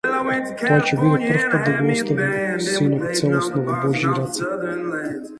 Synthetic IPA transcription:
t̪ɔat͡ʃɛbid̪ɛpərfpad̪̚d̪ɐɡiɔst̪avisinɔvt̪sɛlˠosnɔvɔbɔʒiːɾat̪sɛ

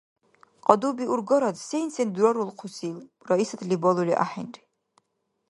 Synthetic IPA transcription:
qʼɑd̪ubiʔuɾɡɔɾɔd̪sejnsɛnd̪uɾɔɾulˠqʰusilrɔisat̪ʰlibɔlˠuliʔa̰ħinri

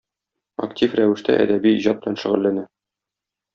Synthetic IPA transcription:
ɐ̰ktʲifræwɘ̆ʃt̪æʔæ̰d̪æbiːʑɑt̪̚b̥lænʃɘ̆ʁɘ̆lːænæ

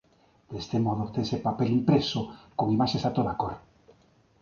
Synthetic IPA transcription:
d̪̥est̪emɔðot̪ensepapelimpɾesokoŋimaʃesat̪oðakoɾ

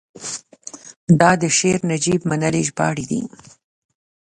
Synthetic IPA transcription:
d̪ɑd̪əʃeɾnad͡ʒibmanəleʒbɑ̰ɽid̪ḭ

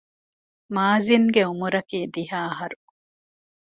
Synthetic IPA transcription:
maːziŋɡeumuɾɐkiːd̪iɦaːɐɦɐɾu

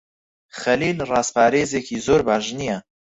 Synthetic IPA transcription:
xɐliːlrɑːspʰaːɾeːzeːkʰiːzoːɾbaːʒnijɛ

